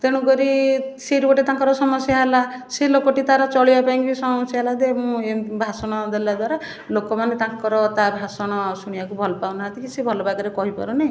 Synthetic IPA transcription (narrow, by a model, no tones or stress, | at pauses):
t̪eɽ̃ũɡɔɾiseɾubɔʈet̪aŋkɔɾɔsɔmɔsjaɦela | selokɔʈit̪aɾɔt͡ʃɔɭibapaĩkisɔmɔsjaɦelad̪emũebʱasɔɽ̃ɔd̪elad̪waɾa | lokɔmanet̪ãŋkɔɾɔt̪abʱasɔɽ̃ɔsuɽ̃ijakubʱɔlɔpawnaɦat̪ikisebʱɔlɔbaɡɔɾekɔɦipɔ̰ɾunej̃